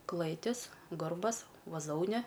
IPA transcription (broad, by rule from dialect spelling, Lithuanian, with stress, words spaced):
ˈklˠɘtʲɪs ˈɡɐrbɐs ʋɐˈzoːʊnʲɛ